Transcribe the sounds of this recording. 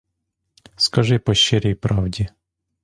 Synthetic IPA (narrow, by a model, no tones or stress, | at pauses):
skɐʐɨpɐɕːɛɾʲejpɾavdʲɪ